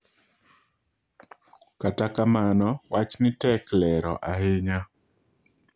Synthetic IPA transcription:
katakamanɔwat͡ʃnɪtɛklɛɾɔ̰ʔaɦɪɲa

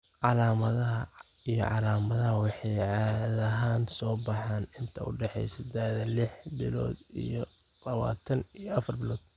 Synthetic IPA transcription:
ʕɑlaːmɐðɐɦɐ | ijɔ̰ʕɑ̰laːmɐðɐɦɐwɑħɑjʕɑːðɐɦaːnsɔːbɑħaːnɪnt̪ʰɐʊ̰ɖɛħɛ̰jsɐd̪aːðɐlɪħbɪlɔ̰ːd̪ijɔ | lɐβa̰ːt̪ʰɐnijɔʔɐfɐrbɪlɔːd̪̥̚

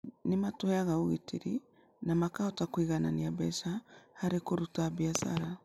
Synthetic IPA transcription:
nimatuhɛaɣauɣitiɾi | namakaɔtakwiɣananiabɛsahaɾekoɾutabiasa̰ɾa

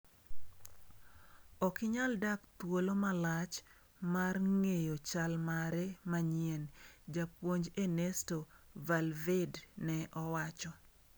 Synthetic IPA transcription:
ɔkɪɲaldakt̪wolomalat͡ʃ | marŋejot͡ʃalmaɾɛmaɲiɛnd͡ʒapwoɲd͡ʒenestovalvednɛʔɔwat͡ʃɔ

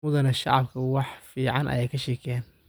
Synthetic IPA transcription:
mʊðɐnɐʃɑ̰ʕɑb̚kʰɐwɑħfiːʕɑnʔɐ̰jɛːjkʰɐʃɛːkʰɛn

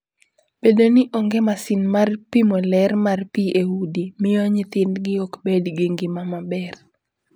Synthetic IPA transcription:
b̥edonɪʔoŋɡemasinmarpimɔlɛrmarpieudimɪjɔɲɪt̪ɪndɡɪɔkbedɡiŋɡɪmamabɛr

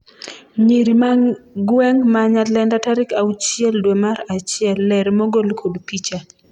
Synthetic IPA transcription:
ɲiɾimaɡwɛŋmaɲatlɛndataɾɪkaut͡ʃjɛldwɛmaɾat͡ʃɪɛlːɛɾmɔɡolkʰodpit͡ʃa

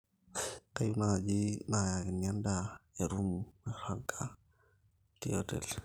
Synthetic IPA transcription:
kajunad͡ʒinajakinandaeɾumaɾaŋkʰa | tiotɛ̰l

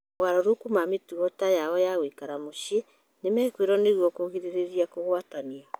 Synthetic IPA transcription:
waɾɔɾukumametuɔtajaɔjaɣwikaɾamoɕe | nemɛːkweɾɔneɣwɔkoɣiɾeɾeɾiakoɣwatania

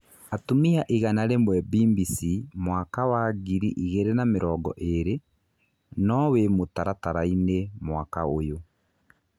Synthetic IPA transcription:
atomiaʔiɣanaɾemwɛbimbisimwakawaɣiɾiʔiɣeɾenameɾɔːɡɔ̰ʔeɾe | nɔwemotaɾataɾainemwakaojo

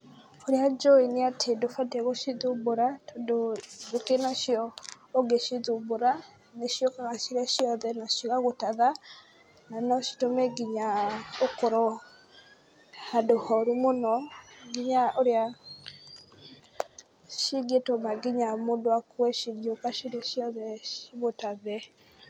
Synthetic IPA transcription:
oɾead͡ʒɔiniatʰedofatɛɣoʃiðuboɾatdodokenaʃiɔː | ɡeʃiðuboɾa | neʃiokaɣaʃiɾaʃiɔðɛnaʃokaɣotaða | nanɔʃi̥tomɛɡiɲaokoɾɔ | hadohɔɾumonɔɡiɲaoɾea | ʃiɡetomaɡiɲamodoakwɛʃiɡiokaʃiɾɛʃiɔðɛʃiɣotaðɛ

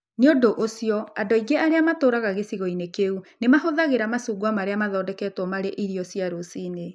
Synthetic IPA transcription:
neodoʔosijɔadɔiɡeaɾeamatoːɾaɣaɣesiɣɔinekeunemaɦoðaɣeɾamasuːɡwamaɾeamaðɔːdɛkɛtwɔmaɾeʔiɾiɔsiaɾosiːne

